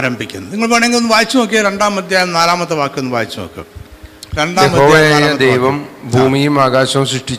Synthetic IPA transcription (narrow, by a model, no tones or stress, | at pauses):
aːɾɐmbʱikʲːunɐniŋːɐɭpoːɳeŋilonːɨʋaːjit͡ɕːɐmok̬ːeɾe̞ɳɖaːmːɐd̪ʱjaːjɐmnaːlaːmɐt̪ːɐʋaːkːenːɨʋaːjit͡ɕːumo̰kːḛɾe̞ɳɖaːemɐɦoːʋaɐjaaːjaɐɐd̪ejʋɐmbʱuːmijumaːɡaːɕɐmsriʂʈit͡ɕː